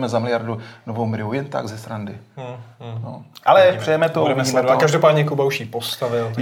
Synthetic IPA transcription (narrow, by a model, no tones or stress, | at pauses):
mɛzamɪlɪjaɾdunovowmɪɾɪujɛnt̪a̰ɡzɛst̪ɾandɪ | no̰ʔalɛpr̥ɛjɛmɛt̪oɛmɛsɛkaʒdopaːdɲɛkubauʃjipost̪avɪl